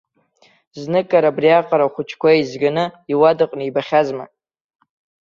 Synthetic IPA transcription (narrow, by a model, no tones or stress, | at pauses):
znɨkʼaɾabriaqʼaɾaχʷʊt͡ʃʰkʷʰaizɡanɨiwadɨqʼnɨibaχʲazma̰